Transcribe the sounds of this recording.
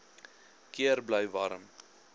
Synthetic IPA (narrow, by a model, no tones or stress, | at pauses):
kiəɾbləjvɐ̰ɾəm